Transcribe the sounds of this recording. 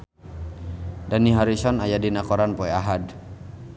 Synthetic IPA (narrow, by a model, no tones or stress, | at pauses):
daniɦaɾisɔnajadinakɔɾanpɔɛaɦad